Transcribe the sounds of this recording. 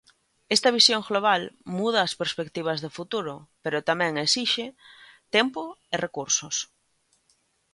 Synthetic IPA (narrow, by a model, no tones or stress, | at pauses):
est̪ɐβ̞isjoŋɡloβ̞almuð̞ɐːspeɾspekt̪iβ̞ɐzðefut̪uɾʊpeɾot̪amɛ̃ŋesiʃɪt̪ɛmpoɪrekuɾsʊs